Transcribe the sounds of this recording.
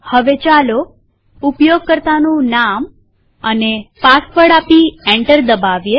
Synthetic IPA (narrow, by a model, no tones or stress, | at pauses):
həʋet͡ʃalo | upjoɡ̚kəɾt̪anũnam | ənepasfəɽapiɛ̃ɳʈəɾd̪əbaʋje